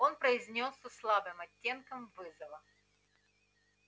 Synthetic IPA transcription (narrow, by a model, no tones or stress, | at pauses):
o̞npɾəɪzʲnʲo̞sːəslˠabɨmɐtʲːe̞nkəmvɨzɐvə